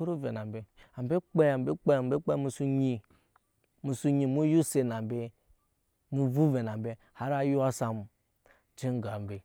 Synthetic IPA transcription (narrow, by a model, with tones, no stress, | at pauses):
o˦ɾo˦ve˨na˨m˨be˨a˨m˨be˦k͡pe˦a˨m˨be˦k͡pe˦a˨m˦be˦k͡pe˦mu˦su˦ɲi˨ | mu˨su˦ɲi˨mu˦ju˦se˨na˨m˨be˦ | mu˦vu˦ve˨na˨mbe˦ | ha˦ɾa˦ju˦a˦sa˨m˨ | d͡ʒi˦ŋ˦ɡa˨m˨be˨